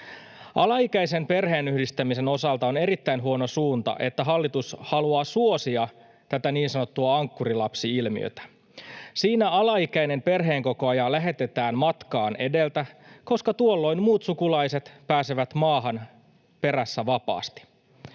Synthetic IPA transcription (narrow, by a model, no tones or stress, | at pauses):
ʔɑlɑikæise̞mpe̞rɦe̞ːnyhdist̪æmise̞no̞sɑlt̪ɑo̞ne̞ɾit̪ːæinɦuo̞no̞suːnt̪ɑ̰ʔe̞t̪ːæɦɑlːit̪ushɑluɑːsuo̞siɑ | t̪æt̪æniːnsɑno̞t̪ːuɑɑŋkːurilɑpsiilmḭø̰t̪æ̥ | siːnæɑlɑikæine̞mpe̞rɦe̞ːŋko̞ko̞ɑjɑlæɦe̞t̪e̞t̪æːnmɑt̪kɑːnʔe̞de̞lt̪æko̞skɑt̪uolːo̞inmuːt̪sukulɑjse̞t̪pæːseʋæt̪mɑːɦɑn | pe̞ɾæsːæʋɑpɑ̰ːst̪i̥